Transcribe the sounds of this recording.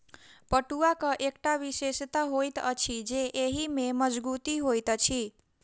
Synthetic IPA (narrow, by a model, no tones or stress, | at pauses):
pəʈuakəʔekʈaʋisest̪aɦojt̪ət͡ʃʰid͡ʒeʔeɦimeməd͡ʒbut̪iɦojt̪ət͡ʃʰi